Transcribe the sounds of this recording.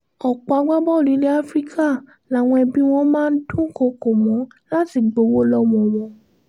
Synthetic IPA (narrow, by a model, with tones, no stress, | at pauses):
ɔ˨k͡pa˨˧a˧˦ɡ͡ba˦bɔ˦˨li˨˦le˦a˦fɾi˦kʰa˦˨ | la˨˦˨w̃ɔ̃˧ɛ˧bi˦w̃ɔ̃˦mãː˦n̩˦tũ˦ko˧˨ko˨mɔ̃˨˦ | la˦ti˧˨ɡ͡bo˧˦wo˦lɔ˦mɔ̃˨˧˨wɔ̃˧˦